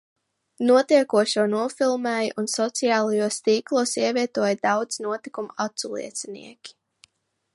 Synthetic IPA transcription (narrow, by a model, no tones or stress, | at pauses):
nuɔt̪iɛkuɔʃuɔnuɔfilˠmɛːjʔunsɔt̪sijaːlˠajuɔst̪iːklˠuɔsiɛviɛt̪uɔjd̪awd̪z̥nuɔt̪ikumat̪sulˠḭɛt̪sɛnḭɛkʲi̥